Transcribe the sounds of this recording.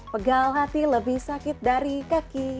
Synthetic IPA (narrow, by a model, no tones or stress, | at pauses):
pəɡalɦat̪iləbɪhsakɪtt̪̚daɾikaki